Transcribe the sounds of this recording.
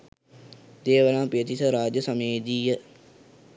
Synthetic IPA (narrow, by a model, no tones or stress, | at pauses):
d̪eːʋəlãːpiət̪isəɾaːd͡ʒəsɐmeːd̪iːjə